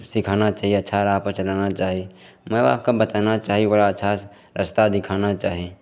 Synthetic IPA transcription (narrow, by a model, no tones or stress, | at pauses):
sikʰanat͡ʃaːɦieətːʃʰaɾaːɦpət͡ʃəlanat͡ʃaːɦi | mɛ̃a̰ːp̚kabət̪anat͡ʃaːɦiboɾaətːʃʰa | ɾəst̪ad̪ɪkʰaːnat͡ʃaːɦi